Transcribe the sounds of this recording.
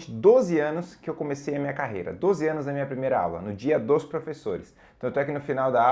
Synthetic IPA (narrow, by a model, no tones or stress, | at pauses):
t͡ʃɪd̪ozɪɐ̃nʊskɪewkomesejɐmĩɲɐkaɦḛjɾɐ̰d̪ozɪɐ̃nʊznɐmĩɲɐpɾimejɾɐa̰wlɐ̰nʊd͡ʒiɐd̪ospɾofesoɾɪst̪ɐ̃t̪ɛakinʊfinawd̪ɐa